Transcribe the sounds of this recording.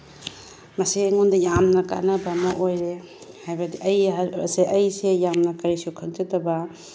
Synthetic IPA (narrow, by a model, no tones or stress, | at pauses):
mɐsiŋundɐjamnɐka̰nɐbɐmɐʔojɾe | hajbɐdiʔɐjɐseʔɐjsejamnɐkɐɾisiukʰɐŋd͡ʒɐtɐbɐ